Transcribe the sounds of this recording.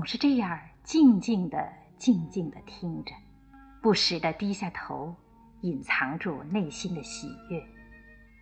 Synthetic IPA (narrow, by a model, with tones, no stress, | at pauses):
t͡sʊ˨˩ŋʂɻ̩˥˧ʈ͡ʂɤ˥˧jɑ˥˧˩t͡ɕi˥˧ŋt͡ɕi˥˩ŋd̪ə̰˩ | t͡ɕi˥˧ŋt͡ɕi˥˩ŋd̪ə˩t̪ʰi˥ŋʈ͡ʂə̥˩ | pu˥˩ʂɻ̩˨˩d̪ə˧t̪i˥ɕja˥˩t̪ʰo˧˥ʊ | i˨˩nt͡sʰɑ˧˥ŋʈ͡ʂu˥˩ne˥˩ɪɕi˥nd̪ə˨ɕḭ˨˩jɛ˥˩